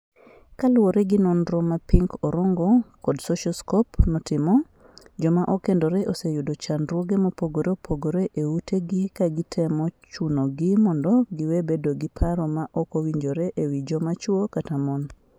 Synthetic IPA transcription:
kalʊwoɾeɡɪnonɾɔmapiŋkɔɾoŋɡɔkɔdsoʃɔskɔpnɔtɪmɔ | d͡ʒɔmaʔɔkendɔɾɛʔosejʊdot͡ʃanɾwoɡemopoɡoɾeopʰoɡoɾeʔeutʰeɡɪkaɡɪtʰɛmɔt͡ʃunoɡɪmɔndɔɡɪwedbedoɡɪpʰaɾɔmaʔɔkowiɲd͡ʒoɾeʔewid͡ʒɔmat͡ʃwokatamɔn

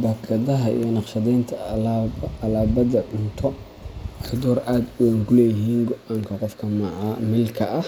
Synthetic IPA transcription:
bɐkʰɐðɐɦɐḭːjɞnɑqʃɐðɛjnt̪ʰɐlːlaːbɐðɐʕʊnt̪ʰɔ | ɑħd̪ɔːrʔaːd̪ʊwɛŋkʰʊlɛːjɪɦiːŋɡɔʔaŋkʰɐqɔfkʰɐmɑʕɑmɪlkʰɐʔɐh

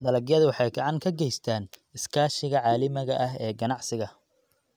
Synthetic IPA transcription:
d̪ɐlɐɡjɐðwɑħɑjɡɐʕɑŋkʰɐɡɛjst̪ʰaːnɪskʰaːʃɪɣɐʕɑːlɪmɪɣɐʔɐɦɛːɡɐnɑʕsɪɣɐ

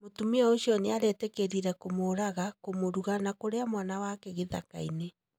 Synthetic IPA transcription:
motumeɛoɕiɔneaɾɛtɛkeɾiɾɛkomoɾaɣakomoɾuɣanakoɾeamwanawakɛɣeða̰ka̰ine

